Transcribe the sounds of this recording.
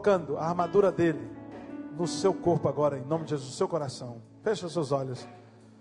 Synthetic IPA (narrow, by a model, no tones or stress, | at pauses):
kɐ̃nd̪ʊaaɾmad̪uɾɐd̪elɪnʊsewkoɾpʊaɡɔɾɐẽj̃nõmɪd͡ʒɪʒezud̪ʊsewkoɾasɐ̃w̃ | feʃɐʊsewzɔʎʊs